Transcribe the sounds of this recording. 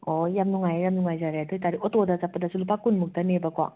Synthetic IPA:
ojamnuŋajjamnuŋajzaɾatʰojtaɾiʔotodazapːɐdasulupakunmuk̚tanebakwa̰

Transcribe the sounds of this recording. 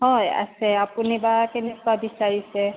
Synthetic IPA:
ɦɔja̰sɛapunibakɛnɛkwabisaɹisɛ

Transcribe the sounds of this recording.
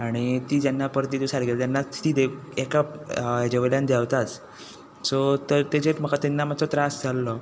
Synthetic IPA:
aɽ̃it̪iːt̪janːapəɾt̪iːd̪usaɾɡelt̪janːat̪iːd̪eekapd͡ʑeʋljand̪jaʋt̪at͡s | sɔt̪əɾt̪ed͡ʑeʈ̪m̤əkat̪enːam̤at͡sɔt̪ɾasd͡zʱalːɔ

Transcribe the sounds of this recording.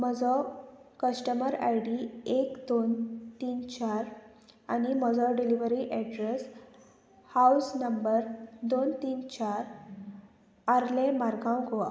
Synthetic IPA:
məd͡zɔkəsʈəməɾa̰jɽiekd̪ont̪iːnt͡ɕaɾ | animəd͡zɔɖiliʋəɾiʔɛɖɾes | hausnəmbəɾd̪ont̪iːnt͡ɕaɾ | aɾlẽmaɾɡʱãwɡʱoa

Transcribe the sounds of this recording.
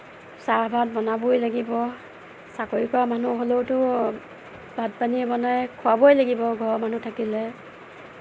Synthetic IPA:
sabʱat̚bɔnabojlaɡibɔ | sakoɹikamanuɦolowtʊ | bʱadpanibɔnajkʰʊabojlaɡibɔɡʱɔɹmanutʰakilɛ

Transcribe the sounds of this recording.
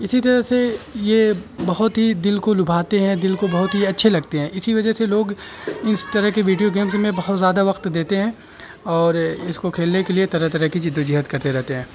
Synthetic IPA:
ɪsit̪ɐɾəɦsejebɐɦʊt̪ɦid̪ɪlkolʊbʱaːt̪eɦɛ̃d̪ɪlkobɐɦʊt̪ɦiɐtːʃʰelɐɡt̪eɦɛ̃ʔɪsiʋɐd͡ʒəɦseloːɡɪst̪ɐɾəɦkeʋiːɖijoɡeːmsmẽbɐɦʊt̪zjaːd̪aʋɐqt̪d̪eːt̪eɦɛ̃ː | ɔːɾɪskokʰeːlnekeliet̪ɐɾət̪ɐɾəɦkid͡ʒɪd̪ːud͡ʒiɦət̪kɐɾt̪eɾɛɦt̪eɦɛ̃ː

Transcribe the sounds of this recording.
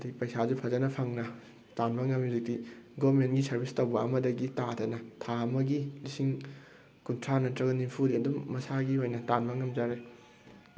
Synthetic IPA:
ɐdiɡipɐjsazupʰɐzɐnɐpʰɐŋnɐ | tanbɐŋːɐmizik̚diɡomenɡisɐɾbistɐwbɐɐmɐdɐɡitatʰɐnɐtʰaɐmɐɡilisiŋ | kuntʰɾanɐtɾɐɡɐnimpʰudiɐdumːɐsaɡiojnɐtanbɐŋːɐmd͡ʒaɾe

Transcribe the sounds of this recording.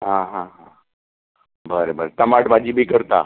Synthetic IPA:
ɦãɦãɦã | bʱəɾebʱəɾet̪əmaʈbʱad͡ʑiːbʱiːkəɾt̪a̰

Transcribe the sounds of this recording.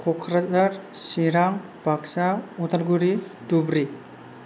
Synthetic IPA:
kʰɔkʰɾazaɾsiɾaŋ | bʱaksaut̪aɾɡuɾidubɾi

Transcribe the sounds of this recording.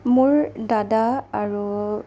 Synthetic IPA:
muɹdadaaɹu

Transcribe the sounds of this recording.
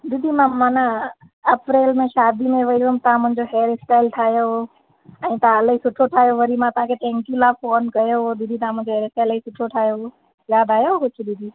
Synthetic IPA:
d̪id̪ʱimãmaːna | əpɾeːlmẽʃaːd̪ʱimẽʋəomt̪ɐãmʊ̃ɦɲd͡ʑoɦeəɾɪsʈaːɪlʈʰaːjoo | ɛ̃ĩt̪ɐãələisʊʈʰoʈʰaːjoʋəɾimãt̪ɐɦãkʰeʈẽŋkjulafoːnkɐjoɦod̪id̪ʱit̪ɐãm̤ə̃ɲd͡ʑoɦeːɾɪsʈaɪləisʊʈʰoʈʰaːjoo | jaːd̪aːjoɦokʊt͡ʃʰid̪id̪ʱi

